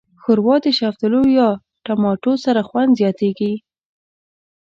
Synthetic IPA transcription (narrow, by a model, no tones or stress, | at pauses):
xʊɾwɑd̪əʃaft̪əlojɑ | ʈamɑʈosaɾaxwand̪zjɑt̪eɡi